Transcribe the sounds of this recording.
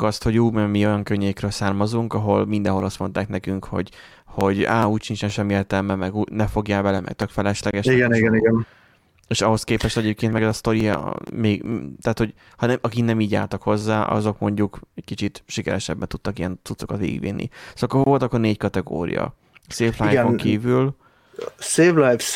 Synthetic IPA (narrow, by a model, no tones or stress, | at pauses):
kɒst̪ho̞ɟuːmɛmio̞jɒŋkøɲːeːkrøːlsaːrmɒzuŋkɒɦo̞lmind̪ɛ̃nɦo̞lɒst̪mo̞nt̪aːknɛkyŋkho̞̰ɟ | ho̞ɟaːuːcʃint͡ʃɛnʃɛmːieːrt̪ɛlmɛmmɛɡuːnɛfo̞ɡjaːlbɛlɛmɛ̰k̚t̪økfɛlɛʃlɛɡɛʃiɡɛniɡɛniɡɛn | eːʃɒɦo̞skeːpɛʃt̪ɛɟeːp̚keːnt̪mɛɡɛzɒst̪o̞ɾḭmeːɡt̪ɛːt̪hoɟ | hɒnɛʔɒkiknɛmiːɟa̰ːlt̪ɒkho̞zːaːʔɒ̰zo̞kmo̞ɲɟukɛckit͡ʃit̪ʃikɛɾɛʃɛbːɛnt̪ut̪ːɒkijɛnt̪sut̪so̞kɒt̪ʋḛːɡḭɡʋḭnːʔḭsokːoʋo̞lt̪ɒkːorneːckɒt̪ɛɡo̰ːɾḭjɒ̰ | seːflaːjoŋkiːvyl | seːvlajfs